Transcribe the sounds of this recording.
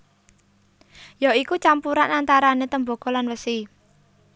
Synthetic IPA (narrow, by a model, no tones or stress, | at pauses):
jaikut͡ʃampuɾanant̪aɾanet̪əmbo̤ɡ̥ɔ̤lanwəsi